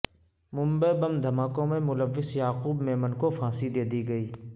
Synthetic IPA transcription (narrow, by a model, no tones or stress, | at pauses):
mʊ̃mbəebɐmd̪ʱɐmaːkõmẽmʊləʋːɪsjaːquːbmeːmənkofʰãːsid̪eːd̪iɡɐiː